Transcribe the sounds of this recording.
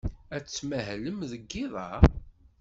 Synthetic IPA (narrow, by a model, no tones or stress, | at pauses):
æt͡sːmæɦləmðəɡːiðˤɑ